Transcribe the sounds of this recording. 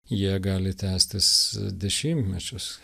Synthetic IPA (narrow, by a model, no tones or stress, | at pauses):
jiɛɡɑːlʲɪt̪ʲæːsʲt̪ʲɪsd̪ʲɛʃʲɪmʲt̪ʲmʲɛt͡ʃʲʊs